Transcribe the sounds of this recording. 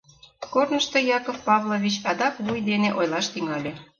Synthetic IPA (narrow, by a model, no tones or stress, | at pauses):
kornəʃt̪ojɑkofpɑvlˠoβʲit͡ɕɑd̪ɑkβujd̪eneʔojlɑʃt̪yŋɑlʲe